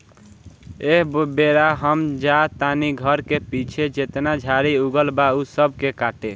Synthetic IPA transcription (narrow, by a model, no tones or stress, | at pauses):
eɦbeɾaɦəmd͡ʒat̪aniɡʱəɾkepit͡ʃʰed͡ʒet̪nad͡ʒʱaɾiuɡəlbausəb̚ʱkekaʈe